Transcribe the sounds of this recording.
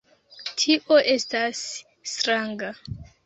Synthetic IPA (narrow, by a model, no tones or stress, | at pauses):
tʰiʔo̞ʔe̞stasː | tɾaŋɡa